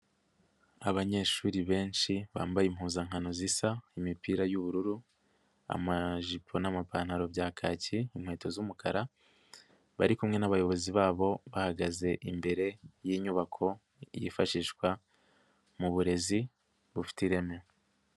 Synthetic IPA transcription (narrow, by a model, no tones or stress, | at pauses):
aβaɲe̞ːʃuːɾiβe̞ːnʃiβa̰ːmbajim̥huːnzaŋɦanozisaimipiːɾajuβuɾuɾu | a̰maʒipʰo̞namapaːn̥haɾo̞bɟaːkʰaːciimhwe̞ːto̞zumukʰaɾa | βa̰ɾikumŋe̞naβajo̞βo̞ziβaːβo̞βahaɡaze̞ʔimbe̞ɾe̞jiːɲuβakʰo̞ | jḭfaʃiːʃkwa | muβuɾe̞zi | βufi̥tiɾe̞meo